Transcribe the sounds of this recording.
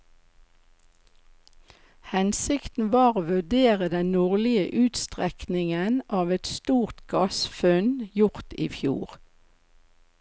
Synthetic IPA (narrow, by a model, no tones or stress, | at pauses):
hɛnsɪkt̪n̩ʋɑːʁoːʋʉd̪eːʁəd̪ɛnnɔʁlɪə̰ʔʉːt̪st̪ʁɛknɪŋənʔɑːʋɛt̪st̪uːʁt̪ɡɑsfʉnjʊʁt̪ḭːfjṵːʁ